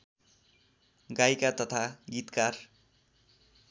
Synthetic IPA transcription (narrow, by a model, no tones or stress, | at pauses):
ɡajkat̪ʌt̪ʰaɡit̪kar